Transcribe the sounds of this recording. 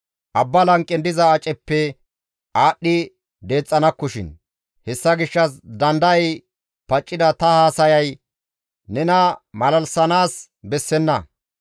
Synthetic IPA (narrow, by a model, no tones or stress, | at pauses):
ʔɐbːɐlɐŋkʼːɪnd̪ɪzɐːt͡ʃʼːɛpːɛ | aːɗːɪ | d̪e̞ːt͡sʼːɐnɐkːɔʃɪ̰n | hɛsːɐɡɪʃːɐsd̪ɐnd̪ɐj | pɐt͡ʃʼːɪd̪ɐt̪ɐhaːsɐjɐj | nɛnɐmɐlɐlsɐnaːs | bɛsːɛnːɐ